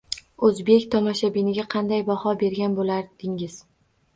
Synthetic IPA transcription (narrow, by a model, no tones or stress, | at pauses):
ɵzbe̞kʲt̪ʰɒmɒʃabinɪɡʲaqʰɑnd̪ajbahɒbe̞ɾɡʲanbolaɾd̪̥ɪŋɪz̥